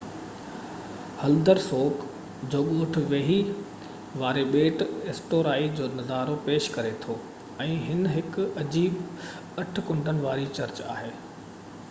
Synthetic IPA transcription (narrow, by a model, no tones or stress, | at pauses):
hɐld̪əɾsoːk | d͡ʑoːɠoːʈ̆ʰʋeːɦi | ʋaːɾeɓeːʈesʈoːɾaːid͡ʑoːnɐzaːɾopeːʃkɐɾet̪ʰoː | ɛ̃ːɦɪnɦɪkɐd͡ʑiːb | ɐʈʰkʊ̃ɳɖʱənɪ̆ʋaːɾit͡ɕɐɾt͡ɕa̰ːɦeː